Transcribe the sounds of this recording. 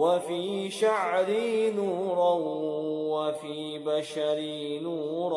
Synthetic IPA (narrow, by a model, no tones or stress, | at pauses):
wafiːʃaʕɾinuːɾˤa | wafiː | baʃaɾi | nuːɾˤ